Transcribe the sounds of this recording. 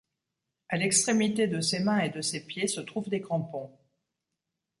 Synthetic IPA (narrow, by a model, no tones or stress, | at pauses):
alɛkst̪χemit̪ed̪əsemɛ̃ed̪əsepjesət̪χuvd̪ekʁɑ̃pɔ̃